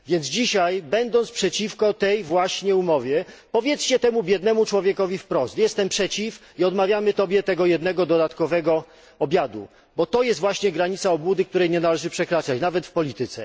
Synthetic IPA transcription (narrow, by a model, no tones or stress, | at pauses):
vʲjɛnd̪zd͡ʑiɕajbɛnd̪ɔnt̪spʂɛt͡ɕifkɔt̪ɛjvwaɕɲɛumɔvʲjɛpɔvʲjɛt̪st͡ɕɛt̪ɛmubʲjɛd̪nɛmut͡ʂwɔvʲjɛkɔvʲifpɾɔst̪jɛst̪ɛmpʂɛt͡ɕif | iɔd̪mavʲjamɘt̪ɔbʲjɛt̪ɛɡɔjɛd̪nɛɡɔd̪ɔd̪at̪kɔvɛɡɔ | ɔbʲjad̪ṵ | bɔt̪ɔjɛst̪vwaɕɲɛɡɾaɲit̪saɔbwud̪ɘk̚t̪uɾɛjɲɛnalɛʐɘpʂɛkɾat͡ʂat͡ɕnavɛt̪fpɔlʲit̪ɘt̪sɛ̰